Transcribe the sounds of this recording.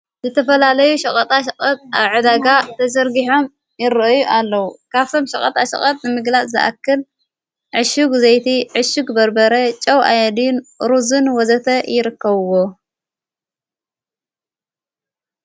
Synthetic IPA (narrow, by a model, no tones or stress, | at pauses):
zɨt̪ʰɐfɐlalɐjuʃɐkʼɐt̪ʼaʃɐkʼɐt̪̚ʼaβʕɨd̪aɡat̪ʰɐzɐɾɡiħo̞m | jɪɾɨʔjuʔalːɐwukʰaβt̪ʰo̞mʃɐkʼɐt̪ʼaʃɐ̰kʼɐt̪̚ʼnɨmɨɡlat͡sʼzɨ̰ʔa̰kːɨl | ʕɨʃuɡzejt̪ʰiʕɨʃuɡbɐɾbɐɾɐt͡ʃʼɐwʔajɛd̪inɾuzɨnwɔzɐt̪ʰɐjɪɾɨkːɐβɨwo